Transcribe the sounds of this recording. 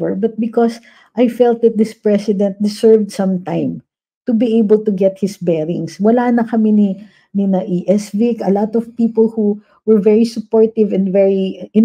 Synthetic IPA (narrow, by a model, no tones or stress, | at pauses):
və˞bɐt̪̚bɪkɔs | ʔajfɛlt̪̚d̪ɐt̪̚d̪ɪspɹɛsɪd̪ɛ̃nt̪̚d̪ɪsɛɹvd̪sɐ̃mt̪ãɪ̃m | t̪ʊbiʔejbəlt̪ʊɡɛt̪̚hɪsbɛɹɪ̃ŋswɐlanɐkɐmini | nɪnɐʔiʔɛsvikɐlat̪ɔvpiːpɔlhu | wɛɹvɛɹisʊpɔɹt̪ɪvɛ̃nvɛɹiɪ